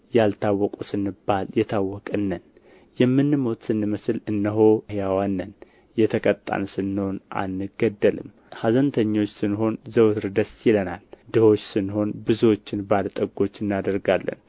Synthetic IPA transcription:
jalt̪ʰawːɔkʼusɨnːɨbːaljɛt̪ʰawːɔkʼɨnːən | jɛmːɨnːɨmo̞t̪sɨnːɨməsɨlɨnːəɦo̞hjawanːən | jɛt̪ʰəkʼət̪ʼːa̰nsɨnːɨho̞na̰nːɨɡəd̪ːəlɨ̰m | hazənt̪ʰəɲːo̞t͡ʃːsɨnːɦo̞nzəwt̪ɾɨd̪əsjɪləna̰ld̪ɨho̞t͡ʃːsɨnːho̞nbɨzuwot͡ʃːɪnbalt̪ʼəɡo̞t͡ʃːɨnːad̪əɾɡalːə̰n

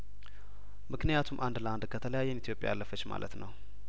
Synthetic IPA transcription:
mɨknijat̪ʰumʔand̪ləand̪kʰət̪ʰələjajːɛnit̪ʰjo̞pʼjajalːəfət͡ʃːma̰lət̪nəw

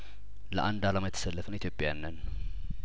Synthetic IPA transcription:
ləʔand̪alaməjt̪ʰːə̥səlːəfənit̪ʰjopʼːjanːən

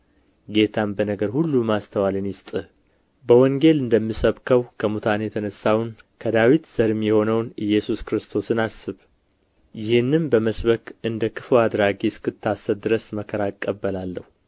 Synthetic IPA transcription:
ɡe̞t̪ʰambənəɡəɾhulːumast̪ʰəwalɨnjɪst̪ʼɨh | bəwɔŋɡe̞lɨnd̪əmːisəβkʰəwkʰəmut̪ʰanjɛt̪ʰənəsːawn | kʰəd̪awit̪z̥əɾɨmjɛho̞nəwnɨjːɛsuskɾɨst̪ʰo̞sɨnasːɨβ | jɪhɨnːɨmbəməsβəkɨnd̪əkʰɨ̥fɨwad̪ɾaɡiskʰɨt̪ʰːasːəβd̪ɨɾəsməkʰːəɾakʼːəbːəlalːəhu

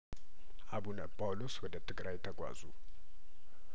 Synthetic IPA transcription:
ʔabunəpʰawluswɔd̪ət̪ʰɨɡɾajt̪ʰəɡʷa̰zu

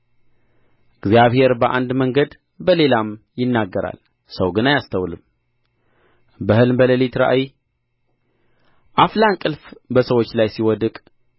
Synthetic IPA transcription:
ʔɨɡzijaβhe̞ɾbəʔa̰nd̪məŋɡəd̪ | bəle̞lamjɪnːaɡːəɾa̰l | səwɡɨnajast̪ʰəwlɨm | bəhɨlmbələlit̪ɾa̰ʔai | ʔaflankʼɨlfbəsəwot͡ʃːlajsiwɔd̪ɨkʼ

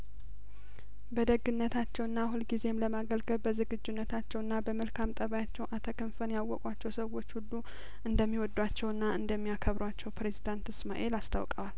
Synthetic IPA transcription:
bəd̪əɡːɨnːət̪ʰat͡ʃːɛwɨnːahunɡize̞mləmaɡəlɡəβbəzɨɡɨd͡ʒːunːət̪ʰat͡ʃːɛwɨnːabəməlkʰamt̪ʼəβajat͡ʃːɛwʔat̪ʰəkʰənfənjawːɔkʼwat͡ʃːɛwsəwːo̞t͡ʃːhulːu | ʔɨnd̪əmːiwɔd̪wat͡ʃːɛwɨnːaɨnd̪əmːijakʰəβɾwat͡ʃːɛwpɾe̞zid̪ant̪ɨsmaʔe̞last̪ʰa̰wkʼəwal

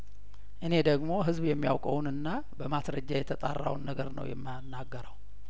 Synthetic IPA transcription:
ʔɨne̞d̪əɡmo̞ɦɨzbjɛmːija̰wkʼəwnɨnːa | bəmasɾəd͡ʒːajɛt̪ʰət̪ʼa̰rːa̰wnːəɡəɾnə̰wjɛ̰mː | nːaɡːəɾəw

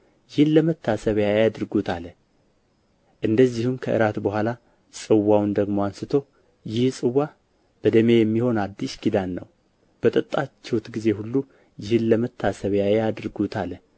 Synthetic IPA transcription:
jɪhɨnləmət̪ʰːasəβjajad̪ɾɡut̪ʰalə | ʔɨnd̪əzːihumkʰəʔɨ̰ɾat̪bəhʷala | sʼɨwːawnd̪əɡmoansɨt̪ʰo̞ | jɪhsʼɨwːa | b̥əd̪əme̞jɛmːiho̞nad̪ːiʃɡid̪anːə̰w | b̥ət̪ʼət̪ʼːat͡ʃːɛwt̪ɡize̞hulːu | jɪhɨnləmət̪ʰːasəβjajad̪ɨɾɡut̪ʰalə

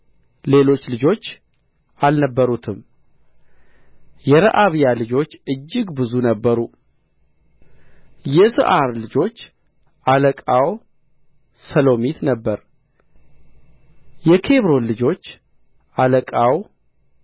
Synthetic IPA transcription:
le̞lo̞t͡ʃːlɨd͡ʒo̞t͡ʃː | ʔalnəbːəɾut̪ʰɨm | jɛɾə̰ʔaβijalɨd͡ʒo̞t͡ʃːɨd͡ʒːɪɡbɨzunəbːəɾu | jɛsɨ̰ʔaɾlɨd͡ʒo̞t͡ʃː | ʔaləkʼaw | səlo̞mit̪nəbːəɾ | jɛkʰe̞βɾo̞nlɨd͡ʒo̞t͡ʃː | ʔaləkʼaw

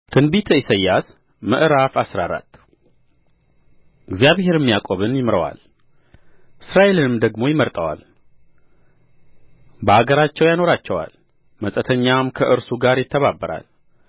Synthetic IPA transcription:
t̪ʰɨnbit̪ʰəisəjːas | məʔɾafasɾaɾa̰t̪ː | ɨɡzjaβhe̞ɾɛmːijakʼoβɨnjɪmɾəwa̰l | ʔɨsɾaʔe̞lɨnɨmd̪əɡmo̞jɪməɾt̪ʼəwa̰l | bəaɡəɾat͡ʃːɛwjano̞ɾat͡ʃːɛwa̰l | məsʼət̪ʰəɲːamkʰəʔɨɾsuɡaɾjɪt̪ʰːəβabːəɾa̰l

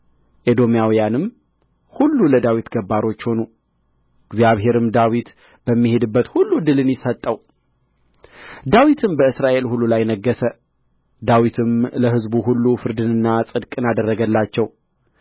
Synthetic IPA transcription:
ʔed̪o̞mijawjanɨm | hulːuləd̪awit̪ɡəbːaɾo̞t͡ʃːho̞nu | ɪɡzjaβhe̞ɾɨmd̪awit̪ | b̥əmːihe̞d̪ɨbːət̪hulːud̪ɨlɨnjɪsət̪ʼːəw | d̪awit̪ʰɨmbəɨsɾaʔe̞lhulːulajnəɡːəsə | d̪awit̪ʰɨmləɦɨzbuɦulːufɨɾd̪ɨnɨnːasʼɨd̪kʼɨnad̪ərːəɡəlːat͡ʃːɛw

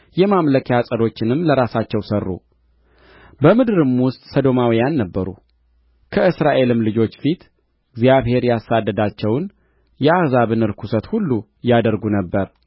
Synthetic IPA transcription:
jɛmamləkʰjasʼəd̪o̞t͡ʃːɪnɨmləɾasat͡ʃːɛwsərːṵ | bəmɨd̪ɨɾɨmwʊst̪ʼsəd̪o̞mawijanːəbːəɾṵ | kʰəɨsɾaʔe̞lɨmlɨd͡ʒo̞t͡ʃːfit̪ | ɨɡzjaβhe̞ɾjasad̪ːəd̪at͡ʃːɛwn | jɛahzaβɨnɨɾkʰusət̪hulːu | jad̪əɾɡunəbːəɾ

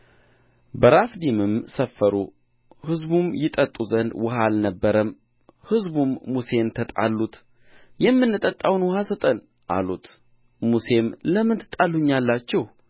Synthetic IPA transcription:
bəɾafd̪imɨmsəfːəɾu | hɨzbumjɪt̪ʼət̪ʼːuzənd̪wɔɦalnəbːəɾəm | hɨzbumːuse̞nt̪ʰət̪ʼa̰lːut̪ | jɛmːɨnːɨt̪ʼət̪ʼːawnwɔhasət̪ʼən | ʔa̰lut̪ | muse̞mləmɨnt̪ʰɨt̪ʼːalːuɲːalːat͡ʃːɛh

